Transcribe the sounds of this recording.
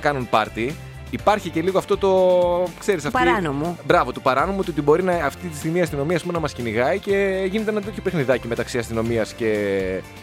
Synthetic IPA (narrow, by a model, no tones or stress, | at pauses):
kɐnunpɐɾt̪i | ipɐɾçice̞liɣoɐft̪o̞t̪o̞kse̞ɾisɐfɾɐnomobɾɐvo̞t̪opɐɾɐno̞moot̪iot̪ibo̞ɾinɐɐft̪it̪i̥st̪iɣmiɐst̪ino̞miɐspumenɐmɐsciniɣɐice̞ʝinet̪eenɐt̪e̞t̪çopexniðɐcime̞t̪ɐksiɐst̪ino̞miɐsce̞